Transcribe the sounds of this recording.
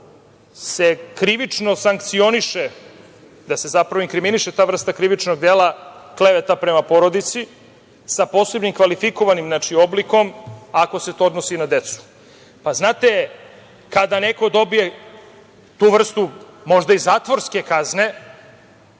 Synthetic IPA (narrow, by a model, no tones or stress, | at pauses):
se̞kɾiʋit͡ʂno̞saŋkt̪sio̞niʃe | d̪ase̞zapɾaʋoiŋkɾiminiʃet̪aːvr̩st̪akɾiʋit͡ʃno̞ɡ̚d̪eːlˠakle̞ʋet̪apɾe̞mapo̞ɾo̞d̪it̪si | sapo̞ːse̞bnimkʋalifiko̞ʋanimznaːt͡ʃio̞blikomako̞se̞t̪o̞od̪nosinad̪e̞t̪su̥ | paznaːt̪e̞ | kad̪aneko̞d̪o̞bije̞ | t̪uːʋr̩st̪umo̞ʒd̪aizaːt̪ʋo̞ɾske̞kazne̞